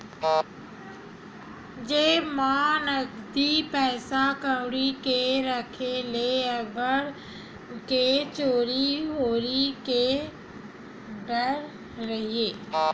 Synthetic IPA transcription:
d͡ʒeːmaːnəɡd̪ipɛːsakəɽikeɾəkʰeleɐɡəɾ | ket͡ʃoːɾiɦoːɾike | ɖəɾ | ɾəɦieː

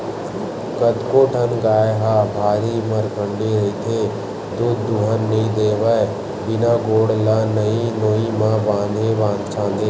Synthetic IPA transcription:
kəd̪koːʈʰənɡaːjɦaːbʱaːɾimɐɾkəɳɖeɾɐiːt̪ʰeː | d̪ud̪ːuɦənːɐĩd̪eːʋəe | bɪnãːɡoːɽlaːnɐĩnoːimãːbãːnd̪ʱeːbãːnd̪kʰãːnd̪eː

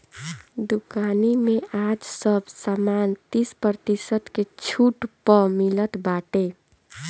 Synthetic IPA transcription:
d̪ukanimẽaːd͡ʒsəbsaːmaːnt̪ispɾət̪isət̪ket͡ʃʰuːʈpəmilət̪baːʈe

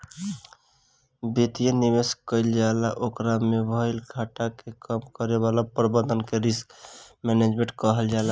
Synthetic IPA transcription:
bet̪ijenibeskəɪld͡ʒalaʔokɾamebʱəɪlkʰaʈakekəmkəɾeβalapɾbənd̪ʱənkeɾiskmɛned͡ʒmẽʈkəɦəld͡ʒala

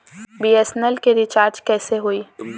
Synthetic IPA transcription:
biːesɛnɛlkeɾɪt͡ʃaːɾd͡ʒkɛːseɦoːiː

